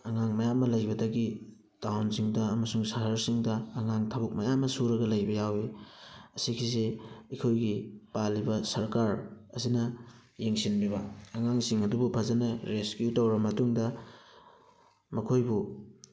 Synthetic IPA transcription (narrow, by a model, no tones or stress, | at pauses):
ɐŋaŋmɐjamːɐlɐjbɐdɐɡi | d̥awnsiŋdɐɐmɐsuŋsɐɦɐɾsiŋdɐːŋaŋtʰabɐk̚mɐjamːɐsuɾɐɡɐlɐjbɐjawiɐsikʰiseikʰojɡipalibɐsɐɾkaɾɐsinɐ | jeŋsinbibɐːŋaŋsiŋɐdubupʰɐzɐnɐɾeskjutowɾɐmɐtuŋdɐ | mɐkʰojbu